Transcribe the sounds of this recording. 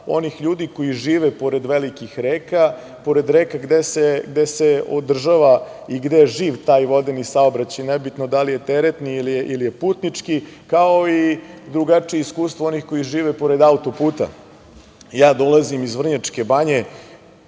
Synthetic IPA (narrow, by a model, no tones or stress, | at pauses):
o̞nixʎuːd̪iko̞iʒiːʋepo̞ɾe̞d̪ʋelikixɾeːka | po̞ɾe̞d̪ɾeːkaɡd̪eseɡd̪ese̞o̰d̪r̩ʒaʋa | iɡd̪eʒiːʋt̪aːjʋo̞d̪enisaobɾat͡ɕajnebit̪nod̪alije̞t̪eɾet̪niilijeʔilijepuːt̪nit͡ʂki | kao̞id̪ɾuɡat͡ʂijeiskuːst̪ʋoo̞nixko̞jiʒiːʋepo̞ɾe̞d̪aut̪o̞puːt̪a̰ | jaːd̪o̞lazimizʋr̩ɲat͡ʂke̞baɲe̞